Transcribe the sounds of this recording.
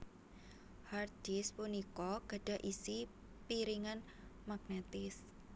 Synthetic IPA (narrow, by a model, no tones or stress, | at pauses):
hard̥ispunikɔɡ̥a̤ɖ̥a̤ʔisi | piɾiŋan | maɡ̥net̪ɪs